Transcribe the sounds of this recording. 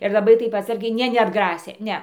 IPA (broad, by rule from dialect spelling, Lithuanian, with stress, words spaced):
ɪr lˠɐˈbɐɪ ˈtɐɪp ɐtˈsɐrʲɡʲɛɪ ˈnʲɛ nʲɛɐdˈɡrɑːsʲeː ˈnʲɛ